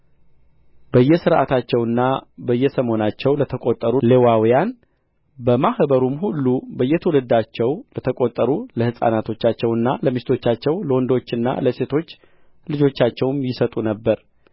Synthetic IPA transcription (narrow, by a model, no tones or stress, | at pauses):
bəjːɛsɨɾʔa̰t̪ʰat͡ʃːɛwɨnːabəjːɛsəmo̞nat͡ʃːɛwlət̪ʰəkʼot̪ʼːəɾulewawijan | bəmahbəɾumhulːubəjːɛt̪ʰəwləd̪at͡ʃːɛwlət̪ʰəkʼot̪ʼːəɾuləhɨsʼa̰nat̪ʰo̞t͡ʃːat͡ʃːɛwɨnːaləmist̪ʰo̞t͡ʃːat͡ʃːɛwləwɔnd̪ot͡ʃːɨnːa̰ləse̞t̪ʰo̞t͡ʃː | lɨd͡ʒo̞t͡ʃːat͡ʃːɛwmjɪsət̪ʼunəbːəɾ